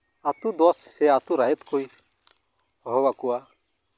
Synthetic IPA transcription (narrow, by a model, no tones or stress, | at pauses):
at̪ud̪ɔssɛat̪uɾajɛt̪kuj | ɦɔwakuwa